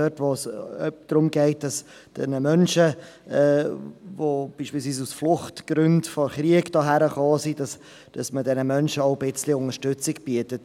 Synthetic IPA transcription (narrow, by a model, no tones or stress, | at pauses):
œtʋosœd̥ɾʊmɡɛɪt̚d̥ɑs | d̥ɛ̰nəmœnʃə | ɛvob̥iːʃpiːlsviːsusflʊχtɡ̥ɾʏndfɔɾχɾiəkd̥ɑːɦæɾəχɑːsidɑs | d̥ɑsmədɛnəmœnʃəɔʊbɪt͡slɪʊŋəɾʃtʏt͡sɪkb̥iətət